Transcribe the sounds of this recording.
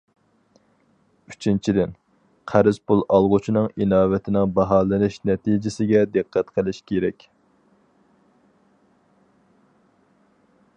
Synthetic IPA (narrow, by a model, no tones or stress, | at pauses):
yt͡ʃʰint͡ʃʰid̪ɪn | qʰæɾɪz̥pulˠʔɑlˠʁʊt͡ʃʰinɨŋinɑːvɪt̪ʰɪnɪŋbɑɦɑːlˠɨnɪʃnɛt̪ʰid͡ʒɪsɪɡʲɛd̪ɨqʰːæt̪qʰəlˠɪʃkʲʰeɾɛkʲ